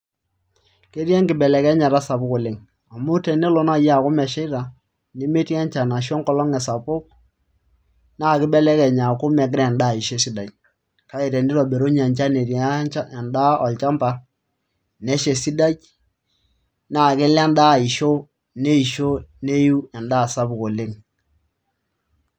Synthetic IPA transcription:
ke˦ɾjɛ˦ŋkɪ˨bɛ˨lɛ˨kɛ˦ɲa˨ɾa˦sa˨bʊ˦kʊ˨lɪ˨ŋ | a˨mʊ˦tɛ˨ne˦lo˦na˦˨ja˦˨kʊ˦mɛ˨ʃɪ˦ɾa˨ | ne˦me˦tɛ˦ɲt͡ʃa˨na˨ʃ̬ɔ˦ŋkɔ˨lɔ˦ŋɛ˨sa˨pʊ˦k̚ | na˦˨kɪ˦bɛ˦lɛ˦kɛ˨ɲa˨kʊ˦mɛ˨k̬ɪ˦ɾnda˦˨ɪ˨ʃe˦si˦da˨t͡ʃ̚ | ka˨˦ɪ˨ɾɛ˨nɪ˦ɾɔ˨be˨ɾo˦ɲ˦a˨ɲt͡ʃa˦ne˨ta˦ɛ˨nda˦ɔ˨lt͡ʃa˦mpa˦ | nɛ˦ʃe˨si˦da˦t͡ʃ | na˦˨kɪ˦lɛ˦nda˦˨i˨ʃo˦ | ne˦i˨ʃo˦ne˦ju˦ɛ˨nda˦˨sa˦bko˨lɪ˦ŋ

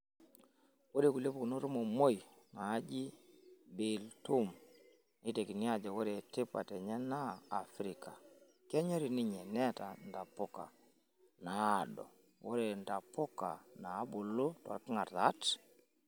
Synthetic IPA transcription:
wo˦ɾe˨ku˨le˦pu˨ku˨no˦ɾu˦mɔ˨mo˦jnaː˨˦d͡ʒi˦bi˨ltu˦m | ni˦te˨ki˨ni˦a˦˨d͡ʒa˨wo˦ɾe˨ti˦pa̰˨tɛ˨ɲɛ˦naː˦˨fɾi˨ka˨ | kɛ˦ɲɛ˦ɾi˨ni˦ɲɛ˨nɛ˦ta̰˨nda˨pɔ˦ka̰˨ | naː˨dɔ̰˨ | wo˦ɾe˨nda˨pɔ˦ka̰˨na˨˦bʊ˨lʊ˦twa̰˨ɾki˦ŋa˨ɾða˦t

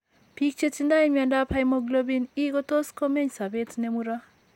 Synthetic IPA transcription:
pi˦k̚t͡ʃe˦t͡ʃi˦nda˦imiandapʰajmɔɡlo˦bi˦ni˦ɡɔ˦t̪o˦sko˦me˦ɲsa˨betnemuɾa˦

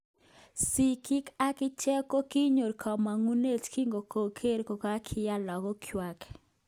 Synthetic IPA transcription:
si˨ki˦ka˦kɪ˦t͡ʃɛ˦ko˦ki˦ɲo˨ɾkʰɔ˨ma˨ŋu˦ne˦t͡ʃki˦ŋɡo˨ko˨kʰe˦ɾko˨ka˦kʰɪ˦ja˦lɔ˨ɡɔ˦kʰjwa˨k

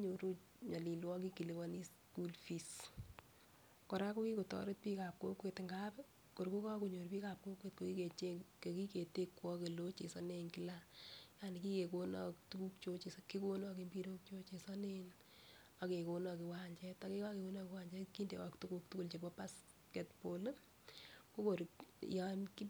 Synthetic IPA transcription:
ɲo˨ɾu˦ | ɲɔ˨li˨lwɔ˦ki˦ki˨li˦wɔ˦ni˦s | ku˦lfi˨s | kɔ˨ɾa˦ku˦ki˦ko˨tɔ̰˦ɾe˦t̚pi˦ka˨p̚ko˦kwe˨tŋɡa˦pɛ | ko˨ɾku˦kɔ˦ku˨ɲo˨ɾpi˦ka˨p̚ko˦kwe˨tko˨ki˦ke˨t͡ʃe˦ke˨ki˦ke˨te˦kːwɔ˦ke˨lo˦t͡ʃe˨sɔ˦ne˨ŋki˦laja˦ni˨ki˦ke˨ko˦nɔ˦ktu˦ku˦k̚t͡ʃo˦t͡ʃe˨ski˦ko˦nɔ˦ki˦mbi˦ɾo˦k̚t͡ʃo˦t͡ʃe˨sɔ˦ne˦n | a˨ke˨ko˨nɔ˨ki˨wa˦ɲt͡ʃɛ˦ta˦ke˦kɔ˦ke˨ko˦nɔ˦kɪ˦wa˦ɲd͡ʒɛ˦ki˦ndḛ˨wa˨ktu˦ku˦k̚tu˦ku˦lt͡ʃe˨bɔ˦pa˦s | kɛ˨tpo˨lɨ˦ | ko˦ko˨ɾḭ˨ja˦nki˦

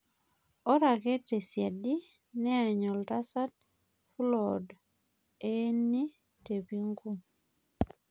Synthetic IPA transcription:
ɔ˦ɾa˨kɛ˦te˨sja˨di˦ | nɛ˦a˨ɲɔ˨lta˦sa˦t̚ | flɔ˨d | e˦nːi˦ | te˨pi˦ŋɡu˦m

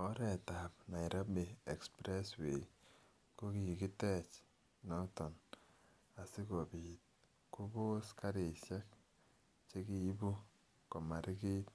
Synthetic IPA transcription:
ɔ˦ɾɛ˨ta˨pna˨i˨ɾa˦be˨e˨kspɾɛ˦swe˨i | ko˦ki˨ji˨ki˦tɛ˦˨t͡ʃ | nɔ˦tɔ˨n | a˨si˦ko˨bi˨t̚ | ku˦bo˦ska˦ɾe˨sja˦k̚ | t͡ʃe˦ki˨i˦bu˦ | kɔ˨ma˨ɾɪ˦ki˦t̚

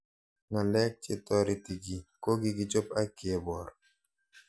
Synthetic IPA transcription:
ŋa˨lɛ˦k̚t͡ʃe˨t̪ɔ˦ɾi˨t̪i˨ɡi˨ko˦ɡi˦ɡi˨t͡ʃo˦pa˦ki˨e˨bɔ˨ɾ

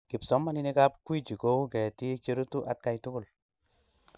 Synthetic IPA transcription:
ki˨psɔ˨˦mːa˦ni˦ni˦ka˦p̚kwi˦d͡ʒi˨ko˦u˦kɛ˨ti˦t͡ʃe˦ɾu˦tu˦ʔa˨t̚ka˧jtu˦ku˨l

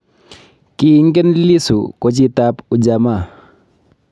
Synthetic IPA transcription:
ki˨˦ŋkɛ˦nli˦sṵ˨ko˨t͡ʃi˦ta˦pu˨d͡ʒa˨ma˦˨

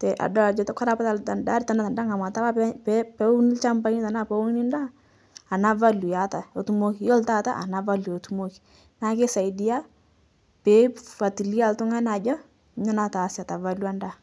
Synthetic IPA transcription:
tɛ˨ʔa̰˨dɔ˦a˨d͡ʒɔ˦tka˦ɾa˦pa˦ta˨lta˨nda˦ɾi˦ta˨na˦ta˨nda˦ŋa˨ma˨ta˦la˦ɛpɛpɛ˦u˦ni˦lt͡ʃa˦mba˦ni˦ta˨na˦pa˦wo˦ŋ˦ni˦ndaː˦˨ | na˦va˦lu˨ja˨ta˨o˨tu˦mo˦ki˨jɔ˦lta˦ta̰˦ʔa˨na˨va˦lu˨o˨tu˦mo˦ki̥˨ | na˦ke˦sa˨i˨di˦a˦ | pɛfa˨ti˨li˦a˦˨ltʊ˦ŋa˦na˨d͡ʒɔ˦ | ɲɔ˦na˦ta˨sa˨ta˨va˦lwa˦nda˦

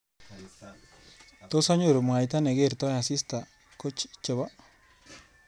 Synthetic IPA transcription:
t̪o˦sa˦ɲu˦˨ɾmo˨a˨jt̪a˦ne˨ɡe˦˨ɾt̪o˦ja˨si˦st̪a˨ | ko˦t͡ʃt͡ʃe˨βa˦

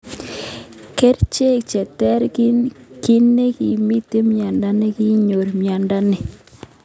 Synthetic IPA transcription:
ke˦ɾt͡ʃe˦˨kt͡ʃɛ˨tɛ˦ɾkiki˦ne˦ki˨mi˦te˦mja˨nda˦ne˦ki˦ɲo˨ɾmja˨nda˦ne˨

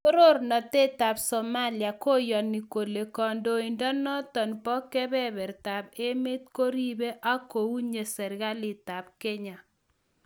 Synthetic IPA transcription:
o˦ɾo˦ɾnɔ˨te˦ta˨bsɔ˨ma˦lja˨ko˦jɔ˨ni˨ko˨le˨kɔ˨ndo˨i˨ndɔ˦nɔ˦t̪ɔ˨npɔ˦kɛ˦bɛ˦bɛ˨ɾta˨be˦mɪ˦t̪̚ko˦ɾi˦be˦ʔa˦ko˨u˦ɲe˨sɛ˨ɾɣa˦lɪ˨ta˨b̚ke˦ɲa˨

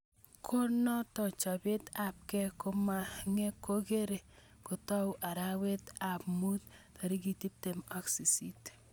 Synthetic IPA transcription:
kʰo˦nɔ˦tɔ˨t͡ʃɔ˨be˦ta˨p̚kɛ˦ko˦ma˦ŋe˦ko˦ke˦ɾe˨ | ko˨tɔ˦wʔa˨ɾa˦we˦ta˨pmu˦t̚ta˨ɾi˦ki˨ti˦p̚te˨mɔ˦ksi˨si˦t

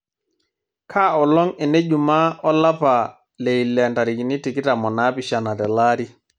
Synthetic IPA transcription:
kʰaː˦ɔ˨lɔ˦ŋɛ˨nɛ˦d͡ʒu˨ma˦ɔ˦la˦pa˨ | le˨i˨lɛ˨nta˨ɾi˨ki˨ni˦ti˨ki˦ta˨mɔ˨na˦pi˨ʃa˨na˨tɛ˨la˦ɾi˦

